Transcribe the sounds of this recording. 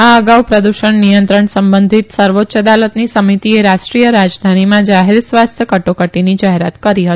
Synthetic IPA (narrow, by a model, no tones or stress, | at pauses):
aəɡawpɾəd̪uʃəɳnijənt̪ɾəɳsəmbənd̪ʱit̪səɾʋot̪ːʃəd̪alət̪nisəmit̪ieɾaʃʈɾijəɾad͡ʒd̪ʱanimãd͡ʒaɦeɾsʋast̪ʰjəkəʈokəʈinid͡ʒaɦeɾat̪kəɾiɦət̪i